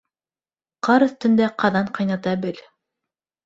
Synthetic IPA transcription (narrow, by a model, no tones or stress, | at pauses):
qɑɾɤ̆θt̪ɵ̆nd̪æqɑðɑɴqɑjnɑt̪ɑbɘl